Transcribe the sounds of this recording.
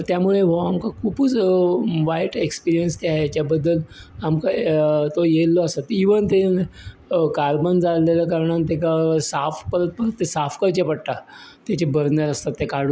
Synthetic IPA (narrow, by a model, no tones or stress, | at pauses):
t̪jamuɭeɦoamkakʰuːput͡sʋajʈekspiɾijənst̪aɦjat͡ɕjabəd̪ːəlamkat̪ojelːɔəsat̪iʋənt̪en | kaɾbənd͡zalːeljakaɾɳant̪ekasafkəɾət̪̚pəɾət̪ːesafkəɾt͡ɕepəɽt̪at̪jat͡ɕebəɾnaɾəst̪at̪ːekaɽu